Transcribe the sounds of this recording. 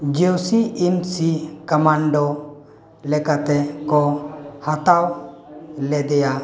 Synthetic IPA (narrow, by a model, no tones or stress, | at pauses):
d͡ʒewsiimsikəmaɳɖɔ | lɛkat̪ɛkɔhat̪aw | lɛd̪ɛja